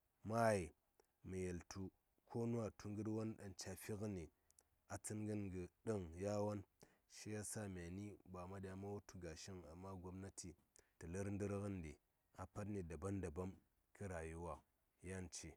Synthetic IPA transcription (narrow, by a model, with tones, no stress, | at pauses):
ma˦˨i˨ | mi˨je˨ltʰu˨ | kʰo˦nu˦a˨tʰu˦ŋɡɨ˦dwa˦nɗa˨nt͡ʃa˨fi˦kə˦ni˨ | a˨t͡sɨ˦nɡə˦nɡə˨ɗə˦ŋja˦wa˦n | ʃi˦ja˦sa˦mʲ˨a˨ni˦ba˨ma˦da˨ma˦wo˦tu˨ɡa˨ʃi˦ŋa˨mːa˦ɡo˦mna˦tʰi˨ | ti˨lə˦ɾn˦dɨ˦ɾɡə˦ndi˨ | a˨pa˦t̬ni˨da˨ba˦nda˨ba˦m | ki˦ɾa˨ju˦wa˦ | ja˦nt͡ʃe˨